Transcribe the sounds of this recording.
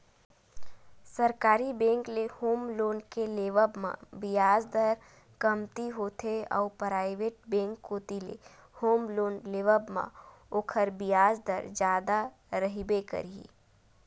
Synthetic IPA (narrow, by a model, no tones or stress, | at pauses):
sɐɾkaːɾibẽːŋklehoːmloːnkeleːʋəbmã̰bɪjaːzd̪əɾ | kɐmt̪iɦoːt̪ʰeɔ̰ːpɾaːɪʋeːʈ̚bẽːŋkːoːt̪ilḛ | hoːmloːnleːʋəbmã̰ | oːkʰəɾbɪjaːzd̪əɾd͡ʒjaːd̪a | ɾɐɦibekə̰ɾi